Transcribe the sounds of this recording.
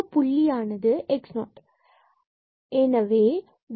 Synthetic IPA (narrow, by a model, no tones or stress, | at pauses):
pʊɭːijaːnɐðɯʔɛksnoːʈ | ɛnɐʋeː | ʋ